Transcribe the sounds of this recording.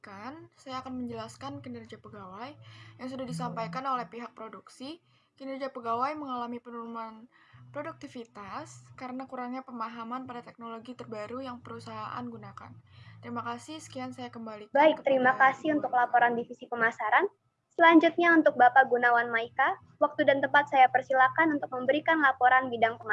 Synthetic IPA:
kansajaːkanməɲd͡ʒəlaskankənərd͡ʒapəɡawajjaŋs̬udahdisampajkanolɛhpiɦak̚pɾoduksi | kənərd͡ʒapəɡawajməŋalamipənulumanpɾoduk̚t̪ifit̪askaɾənakuɾaŋɲapəmaɦamanpadat̪ɛk̚noloɡit̪ərbaɾujaŋpəɾusaɦaʔa̰nɡunaka̰nt̪əɾimakasisə̥kiansajakəmbalibaɪk̚t̪əɾimakasɪunt̪ʊklapoɾandifisipəmasaɾan | səlaɲd͡ʒut̪̚ɲaunt̪ʊk̚bapaɡunawanmaika | wak̚t̪udant̪əpat̪̚sajapərsilakanunt̪ʊk̚məmbəɾikanlapoɾanbidaŋpəŋa

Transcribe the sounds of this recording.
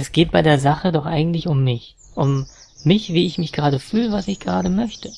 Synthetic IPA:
ɛsɡ̥eːt̚b̥aɪdeːɐzaχədɔχʔaɪɡŋ̩tlɪçʊmːɪç | ʔʊmː | ɪçv̥iːɪçmɪçɡ̥əʁaːdəfyːləvasɪçɡ̥əʁaːdəmœçtʰə

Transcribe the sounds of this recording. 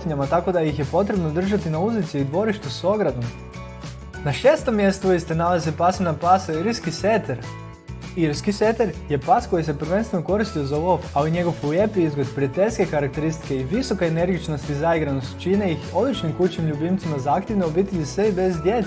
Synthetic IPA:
t̪iɲamat̪ako̞d̪ajixje̞po̞t̪ɾe̞bnod̪r̩ʒat̪inauzit̪siuid̪ʋo̞ɾiʃt̪uso̞ɡɾad̪o̞m | naʃe̞ːst̪o̞mːje̞st̪uist̪enalazepasemnapasaiɾskiset̪eɾ | iɾskiset̪eɾje̞pasko̞jis̬e̞pɾ̩ʋe̞nst̪ʋe̞noko̞ɾist̪iozolo̞faliɲe̞ɡo̞fuje̞piizɡod̪pɾiat̪e̞ʎʲske̞kaɾak̚t̪e̞ɾist̪i̥keiʋiso̞kaene̞ɾɡit͡ʃno̞st̪izaiɡɾanost̪t͡ʃineixo̞d̪lit͡ʃnimkut͡ɕnimʎubimt̪simazaːkt̪jeʋneobit̪eʎʲisʋeibe̞zd̪je̞t̪

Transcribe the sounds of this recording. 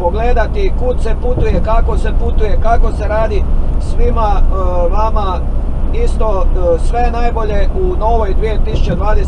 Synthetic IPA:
oɡled̪at̪ikud̪se̞put̪uje̞kako̞se̞put̪uje̞kako̞se̞ɾaːd̪isʋimaʋama | ist̪o̞sʋe̞najbo̞ʎe̞uno̞ʋo̞jd̪ʋije̞t̪isu̥t͡ɕe̞d̪ʋaːd̪e

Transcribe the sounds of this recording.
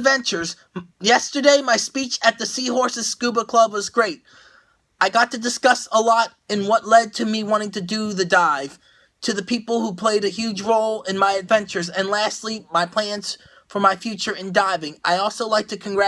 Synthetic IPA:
vɛ̃nt͡ʃə˞z | jɛstə˞deɪmaɪspit͡ʃɨt̪̚ðɨsiɦɔɹsɨz̥skʉbəkʰl̥ʌbwʌzɡɹeɪt̚ | aɪɡɑtɨdɨskʌsəlɔɾ | ɨ̃nwʌtˡlɛd̚tʰɨmiwɑ̃ɾ̃ɪ̃ŋtɨdɨðɨdaɪv̥ | tʰɨðɨpʰipl̩ˠhupʰl̥eɪɾɨhjʉd͡ʒɹoʊlˠɪ̃nmaɪɨdvɛ̃nt͡ʃə˞zɨ̃nlæstˡlimaɪpʰl̥æ̃nz̥ | fə˞maɪfjʉt͡ʃə˞ɨ̃ndaɪvɪ̃ŋa̰ɪɔlˠsoʊlaɪk̚tʰɨkʰɨ̃nɡɹæ

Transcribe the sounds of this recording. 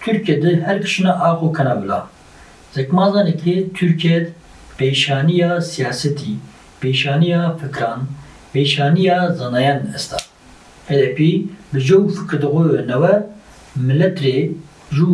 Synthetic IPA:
t̪ʰyɾkijɛd̪ɨhɛɾkɨ̥ʃɨnaʔɑːqokʰɛnɑːbɨla̰ː | z̥ɛkmɑːzɑːnɛkʰet̪ʰyɾkjɛd̪ | peːʃɑːnijɑːsijaːsɛt̪iː | peːʃɑːnijɑːfɨkɾɑːn | peːʃɑːnijɑːzɑnɑjɑːnɛst̪ʰɑ̰ː | hɛd̪ɛpiːbɨʒɛwfɨkɾd̪ɨɣowɛnɛwɛ | mɨlɛt̪ɾe | ʒuː

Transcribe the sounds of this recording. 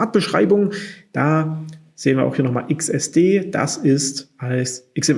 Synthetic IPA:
ɐt̚b̥əʃʁ̥a̰ɪbʊŋd̥aː | z̥eːənviːɐaʊxhiːɐnɔχma̰ːlʔɪksɛsd̥eːd̥a̰sɪstʔalsʔɪksɛm

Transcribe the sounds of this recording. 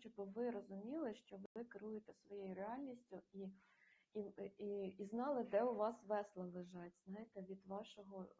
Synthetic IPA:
t͡ʃɔbɪʋɪɾɔzʊmʲilˠɪʃt͡ʃɔʋɪkɪɾujet̪ɛsʋɔjejʊɾeɑlʲnʲisʲtʲʊi | iiiznɑlˠɪd̪ɛʊʋɑsʋɛslˠɐlˠeʒɑtʲz̥nɑɦjet̪ɛʋʲid̪ʋɑʃɔɦɔ

